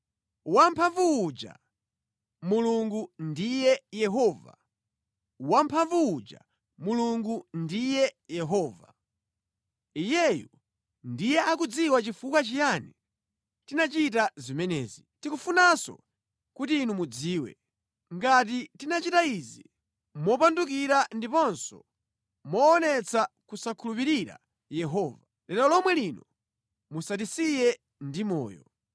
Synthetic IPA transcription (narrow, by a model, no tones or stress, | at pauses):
wampʰaɱvuːd͡ʒa̰ | muluŋɡundijɛjɛɦɔːva̰ | wampʰaɱvuud͡ʒa̰ | muluŋɡundijɛjɛɦɔːva | ijɛjɔ | ndijɛʔakud͡ziwat͡ʃifukwat͡ʃijanɛ | tinat͡ʃit̬azimɛnɛ̰ːzitikufunasɔ̰ | kutiːnumud͡ziːwɛ̰ | ŋɡat̬itinat͡ʃitaizi | mɔp̬andukiɾandipɔnsɔ | mɔːnɛt͡sʰakusakʰulup̬iɾiɾa̰ | jɛɦɔːva | lɛɾɔlɔmwɛlinɔ | musadisijɛ | ndimɔ̰ːjɔ̰